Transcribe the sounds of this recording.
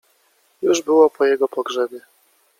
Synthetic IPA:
juʐbɘwɔpɔjɛɡɔpɔɡʐɛbʲjɛ

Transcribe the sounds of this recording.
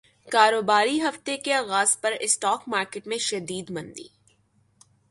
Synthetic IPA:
kaːɾoːbaːɾiɦɐft̪ekeaːɣaːz̥pɐɾɪsʈɔːkmaːɾkɪʈmẽʃɐd̪iːd̪mɐ̃nd̪ḭː

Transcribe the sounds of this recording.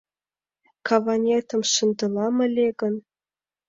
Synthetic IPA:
kʰɑvɑnʲet̪ə̆mʂɨnd̪ɤ̆lˠɑmə̆lʲeɡə̆n

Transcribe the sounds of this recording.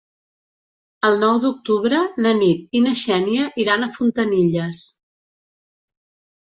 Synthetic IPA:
əlˠnɔwd̪uk̚t̪uβɾənənit̪̚inəʃɛniəʔiɾanəfunt̪əniʎəs

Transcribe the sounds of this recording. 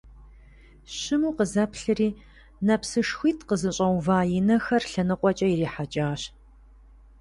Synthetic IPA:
ɕɨmuːqəzɐpɬɨriː | nɐpsɨʂxʷiːtʰqəzɨɕʼɐwvaːjɪnɐxɐrɬɐnɨqʷʼɔt͡ʃʼɐjiɾiːħat͡ʃʼaːɕ

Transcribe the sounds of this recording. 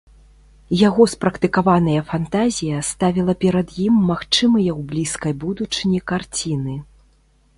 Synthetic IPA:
jaɣɔspɾɐkt̪ɨkavanɐjɐfant̪azʲijɐst̪avʲilˠɐpʲɛɾɐd̪jimːaxt͡ʂɨmɨjɐwblʲiskɐjbud̪ut͡ʂɨnʲikart͡sʲinɨ

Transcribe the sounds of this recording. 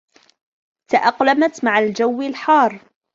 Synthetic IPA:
t̪aʔɑqlamat̪maʕald͡ʒawːɪlħɑːɾˤ

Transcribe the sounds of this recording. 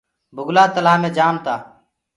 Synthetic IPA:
bʱʊɡlaːt̪əlaːmẽːd͡ʒaːmt̪aː

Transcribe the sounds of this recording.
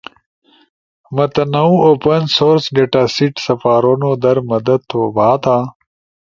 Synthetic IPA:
mɐt̪ɐnɐwoːpɐnsoːɾsɡɐʈaːsiʈsɐfaːɾoːnoːd̪ɐɾmɐd̪ɐd̪̚t̪ʰːoːbaːt̪aː

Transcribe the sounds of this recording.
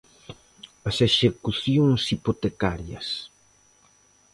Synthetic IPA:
ɐseʃekuθjoŋsipot̪ekaɾjɐ̰s

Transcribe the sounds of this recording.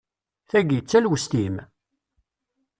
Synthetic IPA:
θæɡjət͡sːælwəst̪im

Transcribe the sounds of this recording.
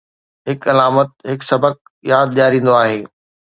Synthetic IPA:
ɦɪkɐlaːmət̪̚ɦɪksɐbək̚ | jaːd̪̚ʄaːɾĩːn̆d̪oaːɦeː

